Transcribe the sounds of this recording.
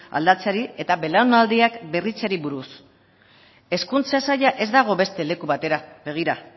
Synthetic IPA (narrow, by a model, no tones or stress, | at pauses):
a̰ld̪at͡saɾie̞t̪aβe̞laonald̪iakbe̞rit͡saɾiβuɾus | e̞skunt͡sasajaʔe̞zd̪aɣ̞o̞βe̞st̪e̞le̞kuβat̪e̞ɾabe̞ɣ̞iɾa